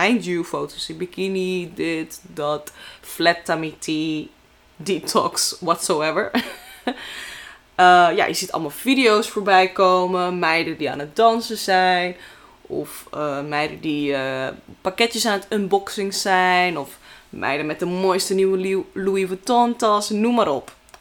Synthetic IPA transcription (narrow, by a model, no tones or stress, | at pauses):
ɛjndufowtosɪnbikinidɪtdɔtflɛtːamitʰi | ditʰɔ̰kswɔtsowɛvəɹ | əja̰jəzitɑ̰lˠmalˠfidijowsfoːɹbɛjkowməmɛjdədia̰ːnət̚dɔnsəzɛjn | ɔ̰fəmɛjdədiəpakɛtjəsaːnətɪnbɔksɪŋsɛjnɔfmʔɛ̰jdəmɛt̚dəmojstəniwəluivətɔntɔsnumaːɾɔp